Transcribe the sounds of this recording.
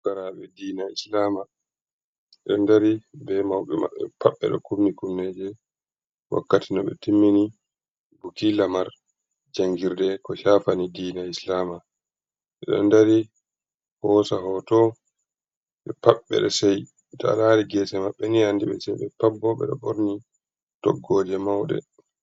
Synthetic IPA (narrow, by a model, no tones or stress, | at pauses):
ɡ̥aɾaɓɛdiːnaislaːma | ɛɗɔndaɾibɛmawɓɛma̰ɓːɛ̰paɓːɛ̰ɗɔkumnikumnːeːd͡ʒɛ | wa̰kːatinɔɓɛ̰timːini | bukilamaɾ | d͡ʒaŋɡiɾdɛkɔʃaːfanidiːnaislaːma | ʔɛɗɔ̰ndaɾi | hɔːsaɦɔtɔ | ɓɛpaɓːɛ̰ɗɔsɛj | ta̰laɾiɡɛːsɛmaɓːɛniandiɓɛ̰sɛjɓɛpabːɔɓɛ̰ɗɔɓoɾni | tɔ̰ɡːɔːd͡ʒɛmawɗɛ̰